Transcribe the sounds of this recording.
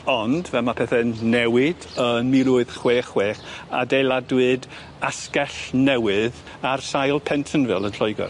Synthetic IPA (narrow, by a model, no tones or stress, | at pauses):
ɔndvɛlˠmapʰɛθɛnɛwɪd̥ənmɪɾuɨð̥χweːχweːχa̰dejlˠadwɨd | askɛɬnɛwɨð | arsajlˠpʰɛntʰənvɪ̰lˠənɬɔɨɡɔ̰r